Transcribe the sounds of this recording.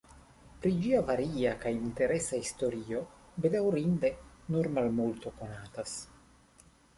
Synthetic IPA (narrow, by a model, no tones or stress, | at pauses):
pɾid͡ʒiavaɾiakajint̪e̞ɾesaist̪o̞ɾio̞bed̪awɾind̪enuɾmalmult̪okonaːt̪as